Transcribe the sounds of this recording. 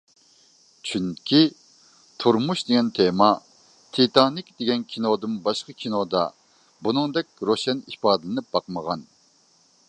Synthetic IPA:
t͡ʃʰyŋkʲʰi | t̪ʰuɾmuʃd̪eɡʲɛnt̪ʰemɑ | t̪ʰit̪ʰɑnikʲd̪eɡʲɛnkʲʰinod̪ɨmbɑʃqʰɑkʲʰinod̪ɑ̰ | bunɨŋd̪ɛk̚ʲɾoʃɛnihpɑːd̪ɨlɨnɪp̚bɑqməʁɑn

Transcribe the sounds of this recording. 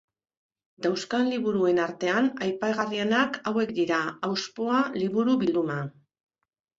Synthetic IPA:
d̪awskanliβuɾue̞naɾt̪e̞anajpaɣarie̞nakawe̞kd̪iɾaawspo̞aliβuɾuβild̪uma

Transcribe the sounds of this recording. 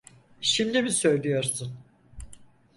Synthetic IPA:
ʃimd̪imisø̞jlʲijo̞ɾsun

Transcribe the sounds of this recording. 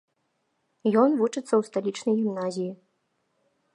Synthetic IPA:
jɔnvut͡ʂɨt̪sːɐwst̪alʲit͡ʂnɐjɣʲimnazʲiji

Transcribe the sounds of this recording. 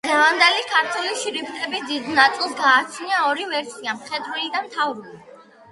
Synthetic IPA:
d̪̥ʁɛvand̪ɛlikʰaɾt̪ʰuliʃɾibt̪ʼɛbid̪id̪nat̪sʼilˠsɡaːt͡ʃʰniaɔɾivɛɾsiamχɛd̪wɛlid̪anmt̪ʰavɾuli

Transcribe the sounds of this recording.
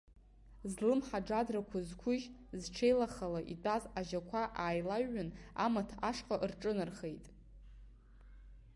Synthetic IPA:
zlɨmħaɖ͡ʐadrakʷʰazkʷʰʊʒzʈ͡ʂʰe̞jlaχalaʔḭtʼazaʒakʷʰaʔaːjlaɥʊna̰matʰaʂqʼaʔrʈ͡ʂʼɨnɨrχe̞jtʼ

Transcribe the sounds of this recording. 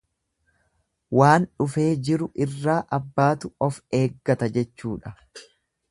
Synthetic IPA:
waːnᶑʊfe̞ːd͡ʒɪɾʊʔɪrːaːʔɐbːaːt̪ʊɔfe̞ːɡːɐt̪ɐd͡ʒɛt͡ʃːuːᶑɐ

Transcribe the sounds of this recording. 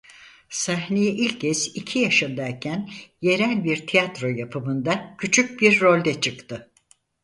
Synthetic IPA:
saɦnijɛʔilʲcʰɛzicʰijaʃɯnd̪aicʰænje̞ɾælʲbiɾt̪ʰijat̪ɾo̞japʰɯmɯnd̪acʰyt͡ʃʰyc̚biɾːo̞lʲd̪ɛt͡ʃʰɯkt̪ʰɯ

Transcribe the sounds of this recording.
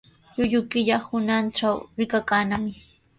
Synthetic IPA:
ʎʊʎʊkɪʎahʊnanʈ͡ʂawɾɪkakaːnamɪ

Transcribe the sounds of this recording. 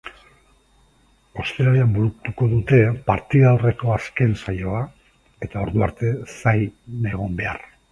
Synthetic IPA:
o̞st̪eɾaleambuɾukt̪uko̞ðut̪e̞paɾt̪iðawre̞ko̞aske̞nsajo̞a | e̞t̪ao̞ɾðuaɾt̪e̞sajne̞ɣ̞o̞mbe̞a̰r

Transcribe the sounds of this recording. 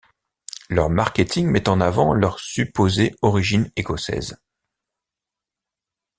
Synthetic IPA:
lœʁmaʁkʲet̪ʰiŋmɛt̪ɑ̃navɑ̃lœʁsypozeɔʁiʒinekɔsɛ̰z

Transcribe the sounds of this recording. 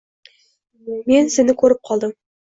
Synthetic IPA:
mensɪnɪkʲʰɵɾɪp̚qʰɑlˠd̪əm

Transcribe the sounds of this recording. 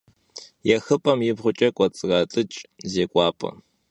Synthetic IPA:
jɛxɨpʼɐmjɪbʁʷʊt͡ʃʼɐkʷʼɔt͡sʼɨʁɐtʼɨt͡ʃʼzeːkʷʼɑːpʰʼɐ̰

